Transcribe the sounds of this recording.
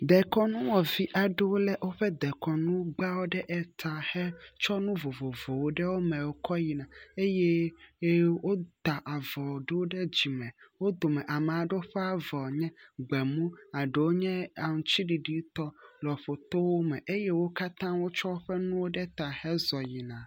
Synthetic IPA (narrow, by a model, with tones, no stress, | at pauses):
d̪ɛ˨kɔ˦nũ˦wɔ˨vi˦ʔa˨ɖɛ˦wo˦lɛ˦ʔwo˦ɸɛ˦d̪ɛ˨kɔ˨nũ˦ɡ͡ba˦wo˦ɖɛ˦ʔɛ˨t̪a˨hɛ˦t͡ʃɔ˦nũ˦vo˨vo˨vo˨wo˦ɖɛ˦wo˦mɛ̃˨wo˦kɔ˦ji˨nã˨e˦je˦ | wo˦d̪a˨ʔa˨vɔ˨ɖe˦wo˦ɖɛ˦d͡ʑi˨mɛ̃˨wo˦d̪o˨mɛ̃˨ʔa˨mɛ˨a˨ɖɛ˦o˦ɸɛ˦a˨vɔ˨ɲɛ̃˦ɡ͡bɛ˨mũ˦a˨ɖe˨wo˦ɲɛ̃˦a˨ŋũ˨t͡ɕi˦ɖi˨ɖi˦t̪ɔ˦lɔ˨ɸo˨t̪o˦wo˦mɛ̃˨ʔe˦je˦wo˦ka˦t̪ã˦wo˦t͡ʃɔ˦wo˦ɸɛ˦nũ˦wo˦ɖɛ˦t̪a˨hɛ˦zɔ˨ji˨nã˨